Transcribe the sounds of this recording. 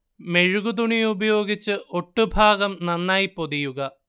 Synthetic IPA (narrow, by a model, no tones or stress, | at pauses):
me̞ɻuɣud̪uɳijubɐjo̞ːɡit͡ɕːɨʔo̞ʈːubʱaːɡɐmnɐnːaːjipo̞ðijuɣɐ